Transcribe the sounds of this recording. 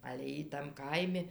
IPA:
ɐlʲɛ ˈjiː tɐm ˈkɐɪmʲɪ

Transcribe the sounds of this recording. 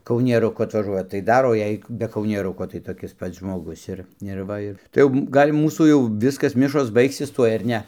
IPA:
kɐʊnʲiɛrʊˈkʊ ɐtʋɐˈʒuɔjɛ tɐɪ ˈdɐr oː ˈjɛɪ bʲɛ kɐʊnʲiɛˈrʊkoː tɐɪ toːˈkʲɪs ˈpɐts ʒmoːˈɡʊs ɪr ɪr ˈʋɐ ɪ tɐɪ ˈjɛʊ ˈɡɐlʲ ˈmuːsuː jɛʊ ˈʋʲɪskɐs ˈmʲɪʃoːs ˈbɐɪksʲɪs ˈtuɔj ɐr ˈnʲɛ

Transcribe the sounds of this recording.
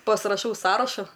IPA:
pɐsrɐˈʃɐʊ ˈsɑːrɐʃʊ

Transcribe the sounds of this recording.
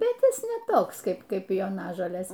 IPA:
bʲɛt ˈjɪs nʲɛ ˈtoːks ˈkɐɪp ˈkɐɪp joːˈnɑːʒoːlʲeːs

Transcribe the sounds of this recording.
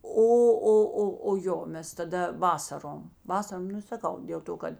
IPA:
ˈoː ˈoː ˈoː oː ˈjoː ˈmʲɛs tɐˈdɐ ˈʋɑːsɐroːm ˈʋɑːsɐroːm ˈnʊ sɐˈkɐʊ dʲeːlˠ ˈtoː kɐt

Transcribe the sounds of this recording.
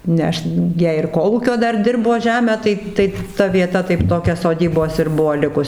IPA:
nʲɛ ˈɐʃ ˈjiɛ ɪr ˈkoːlˠuːkʲoː ˈdɐr ˈdʲɪrboː ˈʒʲæːmʲæː ˈtɐɪ ˈtɐɪ tɐ ʋʲiɛˈtɐ tɐɪp ˈtoːkʲɛ soːˈdʲiːboːs ɪr ˈbuɔ lʲɪkʊs

